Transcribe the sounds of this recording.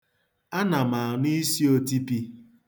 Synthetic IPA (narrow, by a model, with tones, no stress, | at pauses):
a˦na˨ma˨ni˦si˦o˦ti˦pi˦